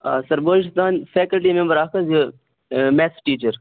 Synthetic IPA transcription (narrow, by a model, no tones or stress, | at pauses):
asɐɾboːɪʃt̪aːnfɛːkɐlʈimẽmbəɾaːkʰɐzi | meːsʈiːt͡ʃəɾ